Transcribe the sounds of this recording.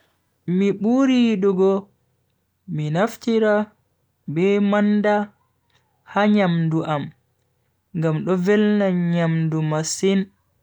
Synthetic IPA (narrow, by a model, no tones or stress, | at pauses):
miɓuɾiɗuɡɔ | minaftiɾa | bɛmanda | haɲamduʔam | ŋɡamɗɔvɛlnaɲamdumasin